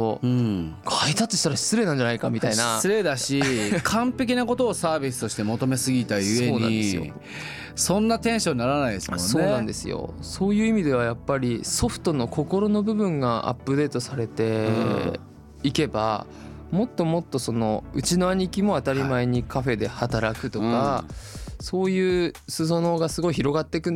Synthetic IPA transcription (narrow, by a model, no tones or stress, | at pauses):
o | kʰait̪at̪ːeɕi̥t̪aɾaɕt͡sɨɾe̞ːnãɲ̟d͡ʑanaikamʲit̪ainasɨɾe̞d̪aɕikʰãmpe̞k̬ʲinako̞t̪o̞ːsaːbʲisɨ̥t̪o̞ɕi̥t̪e̞mo̞t̪o̞me̞sɨɡʲit̪aɯ̟eo̞ːnɲã̰iesɨjo̞̰ | sõ̞nːat̪ẽ̞ɰ̃ɕo̞ɲʲinaɾanaid̪eskso̞ːnãnd̪e̞sɨ̰jo̰so̞ːjɯ̟ːimʲid̪e̞β̞ajapːaɾʲiso̞ɸɯ̥t̪o̞no̞ko̞ko̞ɾo̞no̞bɯ̟bɯ̟̃ŋɡaa̰pːɯ̟d̪e̞ːt̪o̞saɾe̞t̪e̞ | ike̞ba̰ | mo̞t̪ːo̞mo̞t̪ːo̞so̞no̞ɯ̟t͡ɕino̞aɲ̟ikʲimo̞at̪aɾʲimaeɲ̟ikaɸe̞d̪e̞hat̪aɾakɯ̟t̪o̞ka | so̞ːjɯ̟ːsɨso̞no̞ːɡasɨɡo̞içiɾo̞ɡat̪ːe̞kɯ̟̃n